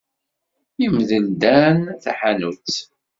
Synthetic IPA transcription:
imðəld̪ænθaħanut͡sː

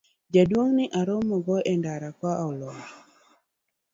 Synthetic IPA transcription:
d͡ʒadwoŋnɪʔaɾɔmɔɡɔʔɛndaɾakwaʔɔlɔ

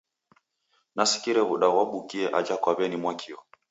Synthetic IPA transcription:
nasi̥kiɾɛβuɗawaɓukiɛʔad͡ʒakwaβɛnimwakʰiɔ

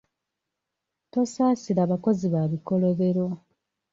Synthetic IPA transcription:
to̞saːsiɾaːβako̞ziβaːβiko̞lo̞βe̞ɾo̞

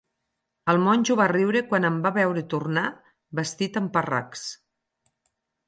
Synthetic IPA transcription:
əlˠmɔnʲʒuβariwɾekwanəmbaβɛwɾet̪urna | bəst̪it̪əmpəra̰ks

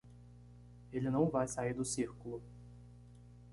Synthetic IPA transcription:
elɪnɐ̃w̃vajsaiɾd̪ʊsiɾkʊlʊ

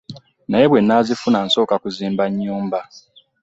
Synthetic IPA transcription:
naje̞βwe̞nːazifunaːnso̞ːkakuziːmbaɲːuːmba

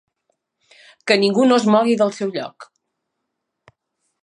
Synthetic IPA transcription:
kəniŋɡunozmɔɣ̞iðəlˠsɛwʎɔ̰k

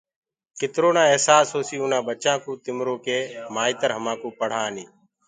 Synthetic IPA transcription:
kɪt̪ɾoːnãːeɦsaːsɦoːsiːuːnãːbət͡ʃãːkũːt̪ɪmɾoːkeːmaːiːt̪əɾɦəmãːkuːpəɽ̤ãːniː

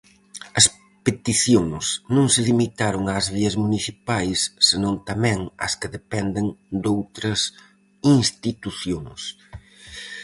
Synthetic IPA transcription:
ɐs | pet̪iθjoŋsnõŋsɪlimit̪aɾoŋɐːzβiɐzmuniθipajsːɪnõnt̪ɐmɛ̃ŋɐ̰skɪðepɛnd̪ɪŋd̪owt̪ɾɐs | iŋst̪it̪uθjoŋs

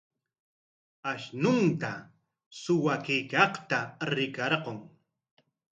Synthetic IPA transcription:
aʃnʊnt̪a | sʊwakɪjkɑχt̪aɾɪkɑɾqoŋ

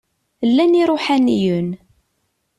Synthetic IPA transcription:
lːæniɾˤoħænijun

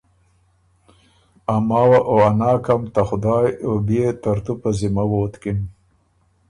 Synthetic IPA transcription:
amɑːwaʔoanɑːkamt̪axʊd̪ɑːjobet̪aɾt̪upazɪmawoːt̪kɪn

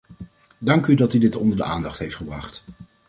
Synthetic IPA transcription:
dɑŋkydɑtydɪtɔ̰ndəɹdə̰ʔaːndɑχtɦejftχəbrɑχt

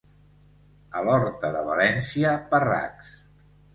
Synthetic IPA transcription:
əlɔɾt̪əðəβəlɛnsiəpəra̰ks

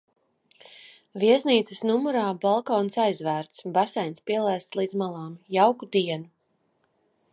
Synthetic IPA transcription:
viɛsniːt̪sɨsnumuɾaːbalˠkɔːnsajzvæːɾt̪sbasajnspiɛlˠajst̪slˠiːd̪zmalˠaːmjawkud̪iɛnu

